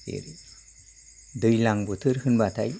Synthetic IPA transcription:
ḭɾ | d̪ɯjlaŋbɯt̪ʰɯɾhɯnbat̪ʰaj

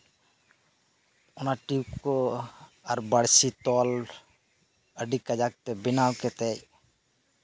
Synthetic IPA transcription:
ɔnaʈikɔ | aɾbəɽsit̪ɔl | əɖikːad͡ʒak̚t̪ɛbinawkɛt̪ɛj

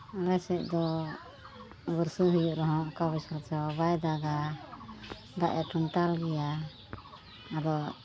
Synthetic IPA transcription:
lɛsɛʔ̚ˀd̪ɔ | bəɾsuɦujuʔɾɔɦɔ̃ʔkaβɛsaɾt͡ʃɛbajd̪aɡa | d̪aʔɛʈunʈalɡɛja | d̪ɔ

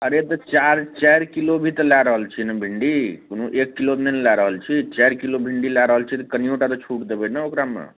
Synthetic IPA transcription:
əɾet̪ɔt͡ʃaɾt͡ʃajɾkilobʱit̪əlaɾəɦəlt͡ʃʰinəbʱiɳɖikonoʔekːilot̪nenlaɾəɦəlt͡ʃʰit͡ʃajɾkilobʱiɳɖilaɾəɦəlt͡ʃʰit̪kənijoʈat̪ɔt͡ʃʰuʈd̪ebənəokɾamḛ

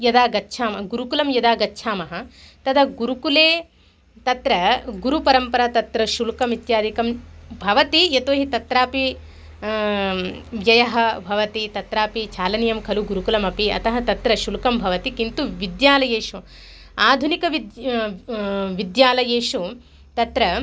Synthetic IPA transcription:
jɐd̪aːɡɐtːʃʰaːmɐɡuɾukulɐmjɐd̪aːɡɐtːʃʰaːmɐɦɐ̆t̪ɐd̪ɐɡuɾukuleː | t̪ɐt̪ɾɐɡuɾupɐɾɐmpɐɾɐt̪ɐt̪ɾɐʃulkɐmit̪jaːd̪ʱikɐmbʱɐʋɐt̪iet̪oːɦit̪ɐt̪ɾaːpi | ʋjɐjɐɦɐ̆bʱɐʋɐt̪it̪ɐt̪ɾaːpit͡ʃʰaːlɐnijɐmkʰɐluɡuɾukulɐmɐpiɐ̰t̪ɐɦɐt̪ɐt̪ɾɐʃulkɐmbʱɐʋɐt̪ikint̪uʋid̪jaːlɐjeːʃu | aːd̪ʱunikɐʋi | ʋid̪jaːlɐjeːʃu | t̪ɐt̪ɾɐ

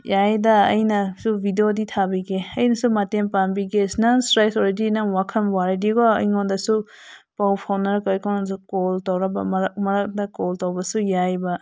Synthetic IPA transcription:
jajdɐ̰ːjnɐsubʱidioditʰabiɡeɐjnɐsumatempanbiɡesnɐsɾajsoɾedinɐwakʰɐmwaɾidiɡoɐ̰jŋondɐsupawpʰawnɐɾkojkɔwnasukoltawɾɐbɐmɐmɐɾɐk̚dɐkoltawbɐsujajbɐ

